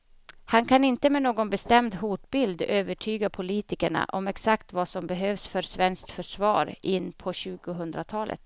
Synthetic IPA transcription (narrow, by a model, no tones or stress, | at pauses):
hankʰanɪnt̪əmɛnoːɡɔnbɛst̪ɛmd̪ɦuʈbɪld̪øːvəʈʰyːɡapʰʊliːt̪ɪkəɳa̰ʔɔmɛksakt̪vasɔmbɛɦøːvsfœɾsvɛnskt̪fœʂvɑ̰ːɾɪnːpʰɔɕʉ̟ːɡʊɦɵnd̪ɾat̪ʰɑːlə̰t̪